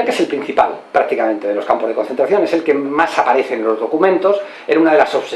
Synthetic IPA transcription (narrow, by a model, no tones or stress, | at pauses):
lkeeselpɾin̟θipa̰lpɾak̚t̪ikamẽnt̪eðelo̞skampo̞zðeko̞nθent̪ɾaθjo̞ne̞selkemasapaɾeθenlo̞zðo̞kumẽ̞nt̪o̞s | eɾunaðelasoβ̥s